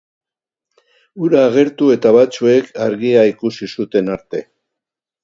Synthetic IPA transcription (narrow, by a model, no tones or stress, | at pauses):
uɾaːɣ̞e̞ɾt̪ue̞t̪aβat͡sue̞kʰaɾɣiaikusisut̪e̞naɾt̪e̞̰